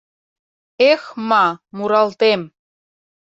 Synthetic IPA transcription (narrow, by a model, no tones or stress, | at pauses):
exmɑmuɾɑlt̪em